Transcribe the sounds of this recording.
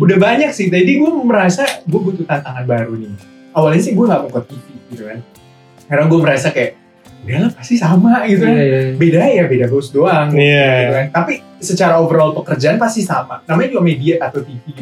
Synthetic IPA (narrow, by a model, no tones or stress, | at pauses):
udahbaɲak̚sɪh̪d͡ʒadiɡuaməɾasaɡuabut̪ut̪ant̪aŋanbaɾunɪ | awalɲasɪɡuaŋɡaʔmuŋkɔt̪̚ːifiɡit̪ukan | kaɾaŋɡuaməɾasakajaʔ | udalapast̪isamaɡit̪ukbedajabedaɡasdoaŋɡijaɡiukant̪api | sət͡ʃaɾaovəɾɔlpəkərd͡ʒaʔanpast̪isama̰namaɲad͡ʒuɡamediat̪at̪awt̪ifi